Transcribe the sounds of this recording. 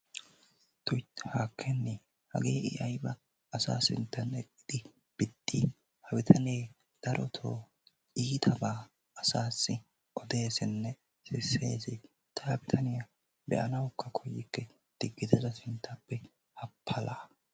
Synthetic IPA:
t̪ʊjt̪haːkʰːɛnːɪ | hɐ̰ɡeːʔɪʔɐjbɐː | sa̰ːsɪ̰nt̪ːɐnɛkʼːɪd̪̥ɪ | b̥ɪd̪ːi | hɐbɪt̪ʰɐneː | d̪̥ɐɾʔɔt̪ʰo̰ː | iːt̪ʰɐbaː | ɐsaːsːɪ | ɔd̪e̞ːsɪnːɛ | sɪsːe̞ːsɪ | t̪ʰɐhɐbɪt̪ʰɐnɪjɐ | bɛ̰ʔɐnɐwkːɐkʰɔjːɪkːɛ | d̪̥ɪɡːɪt̪ɪzɐsɪnt̪ːɐpːɛ | hɐpʰːɐlaː

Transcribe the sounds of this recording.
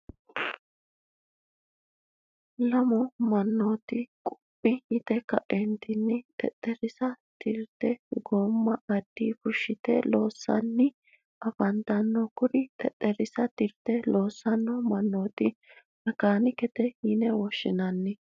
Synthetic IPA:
lɐmʊmɐnːoːt̪ɪkʼʊ̥pʼːɪɪt̪ɛkɐʔɛnt̪ɪnːɪt̪ʼɛ̰t̪ʼːɛɾɪsɐt̪ɪɾt̪ɛɡoːmːɐɐd̪̥ːiːfʊʃːɪt̪ɛlo̞ːsːɐ̰nːɪ | ʔɐfɐnt̪ɐnːɔkʊɾɪt̪ʼɛtʼːɛɾɪsɐt̪ɪɾt̪ɛlo̞ːsːɐnːɔmɐnːoːt̪ɪ | nɐkaːnɪkɛt̪ɛhinɛwɔʃːɪnɐnːɪ

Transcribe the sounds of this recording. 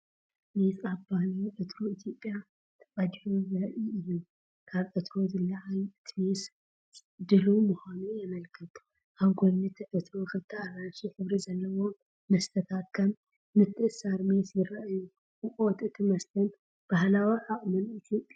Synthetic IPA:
mesaβbahliwʕɨt̪ʰɾoit̪ʰjo̞pʼja | t̪ʰɐ̥kʼɐd̪ħuzɨɾʔiɨju | kʰaβʕɨt̪ʰɾo̞zɨlɐʔajɨt̪ʰmesʼ | d̪ɨlumuxanuamɐlkʰɐt̪ʰu̥ | ʔaβɡonːɨt̪ʰʕɨt̪ʰɾokɨt̪ʰːaaɾasiħɨβɾizɐlːɐwo | mɐst̪ʰɐt̪ʰakʰːɐmː | ɨt̪ʰːɨʔɨsaɾmesjɪɾɐʔaju | ɨkʼot̪ɨt̪ʰimɐst̪ʰɐn | b̥ahlawiʕakʼmɨnit̪ʰjopʼːja

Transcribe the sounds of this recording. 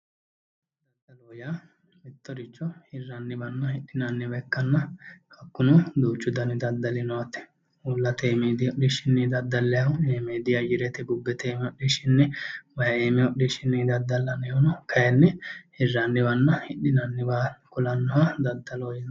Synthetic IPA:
dd̪ɐd̪ɐloːja | mɪt̪ːɔɾɪt͡ʃːɔhɪrːɐnːɪbɐnːɐhɪɗːɪnɐnːɪbɛkːɐnːɐhɐkːʊnʊd̪uːt͡ʃːʊd̪ɐnɪd̪ɐd̪ːɐlɪnɔwɐt̪ːɛ̥ | ulːɐt̪eːmed̪ɪɔɗɪʃɪnːɛd̪ɐd̪ːɐlːɛjɐʊeːmeːd̪ɪjɐjɪɾɛt̪ɛɡʊbːɛt̪eːmɛɔɗːiʃɪnːɛmɐjɐeːmɛɔɗiʃɪnːɛd̪ɐd̪ːɐlːɐnɛɔnɔkʰɐjɛnːɛhɪrːɐnːɪbɐnːɐhɪɗɪnɐnːɪbaːkʊlɐnːɔhad̪ɐd̪ːɐloːjɪn

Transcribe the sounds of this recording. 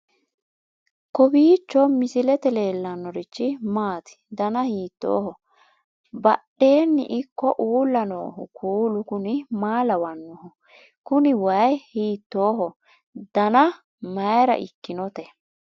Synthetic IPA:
kɔbiːt͡ʃːɔmɪsɪlɛt̪ɛle̞ːlːɐnːɔɾɪt͡ʃːɪmaːt̪ɪ̥d̪ɐnɐhiːt̪ːo̰ːhɔ | bɐɗe̞ːnːɪ̰ʔɪkːɔʔuːlːɐno̰ːhʊkʰuːlʊkʊnɪmaːlɐwɐnːɔhɔ | kʊnɪwɐjhiːt̪ːo̞ːɦɔ | d̪̥ɐnɐ | mɐjɾɐ̰ʔɪ̰kːɪnɔt̪ɛ

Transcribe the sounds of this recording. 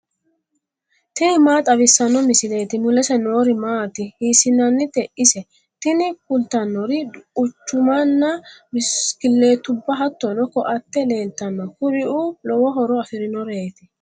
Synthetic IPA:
t̪ɪnɪmaːt̪ʼɐbɪsːɐnːɔmɪsɪle̞ːt̪ɪmʊlɛsɛnoːɾɪmaːt̪ɪhiːsɪnɐnːɪt̪ɛʔɪsɛ | t̪ɪnɪkʊlt̪ɐnːɔɾɪʊt͡ʃːʊmɐnːɐmɪskɪlːe̞ːt̪ʊbːɐɦɐt̪ːɔnɔkɔʔɐt̪ːɛle̞ːlt̪ɐnːɔkʊɾɪʔulɔwɔɦɔɾɔɐfɪɾɪnɔɾe̞ːt̪ɪ

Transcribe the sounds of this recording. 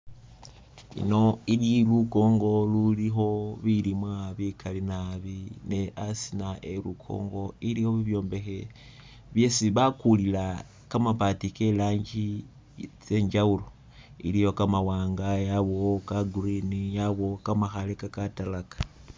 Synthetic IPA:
ḭno̞ililuko̞ːŋɡo̞lulixo̞βilimwaβikalinaβineʔasinaʔelukʰo̞̰ːŋɡo̞ilijo̞βiβjo̞ːmbe̞xe | βjesiβakulila | kamapatikelaːɲɟi | t͡se̞ɲd͡ʒaulo | ḭlijo̞kamawaːŋɡajaβo̞kaɡurinijaβo̞kamaxalekakatalakḁ

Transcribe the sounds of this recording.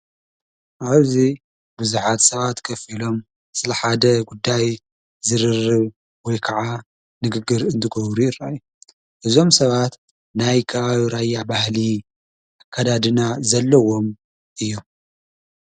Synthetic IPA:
ʔaβzi | buzuħat̪sɐβat̪kʰɐfilo̞m | sɨlɐħad̪ɐɡud̪ːaj | zɨɾɨrːɨβ | wɔjkʰɐʕa | nɨɡɨɡːɨɾɨnt̪ʰɨɡoβɾujɪraju | ʔɨzo̞msɐβat̪ | najkʰɐβaβiɾajːabahli | ʔakʰːad̪ad̪ɨnazɐlːɐwo̞m | ʔɨjːom

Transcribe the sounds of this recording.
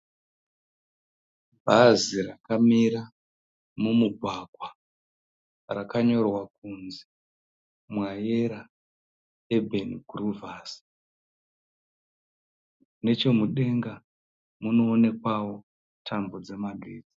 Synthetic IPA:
bʱazirakamiɾa | mumuɡʱwakwa | rakaɲo̞rwak̚unze | mwaje̞ɾa | ebʱenɡuruvaːs | ne̞t͡ʃe̞muɗe̞ŋɡa | muno̞ːne̞kwawo̞ | tʰambo̞d͡ze̞maɡʱeːd͡zi̥

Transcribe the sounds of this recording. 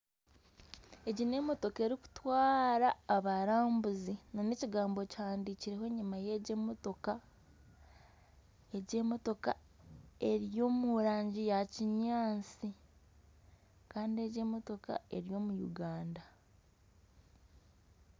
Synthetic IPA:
e̞ɟine̞mo̞to̞ke̞ɾiku̥twaːɾaːβaɾaːmbuzinaneciɡaːmbo̞ci̥haːndiciɾe̞ɦo̞ɲimaje̞ɟemoto̞ka | eɟe̞mo̞to̞ka̰ | e̞ɾjo̞ːmuɾaːɲɟijaciɲaːnt͡si | kaːndie̞ɟe̞ːmo̞to̞ka̰e̞̰ɾijo̞mujṵɡaːnda

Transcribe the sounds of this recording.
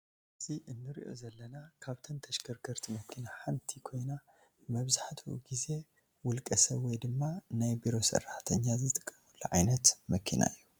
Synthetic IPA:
ʔɨziʔɨnːɨɾḭʔo̞̰zɐlːɐnakʰaβt̪ʰɐnt̪ʰɐʃkʰɐɾɡʰɐɾt̪ʰimɐkʰinaħant̪ʰikʰo̞jna | mɐβzaħt̪ʰuṵɡize̞ | wʊlkʼɐsɐβwɔjd̪ɨmːanajbiɾo̞sɐ̰rːaħt̪ʰɐɲːazɨt̪ʼɨkʼːɐmulːuʕajnɐt̪mɐkʰḭnʔa̰ɨjːu

